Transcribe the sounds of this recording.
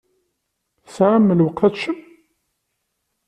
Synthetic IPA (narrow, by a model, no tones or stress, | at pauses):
sʕamːəlwəqθæʃəm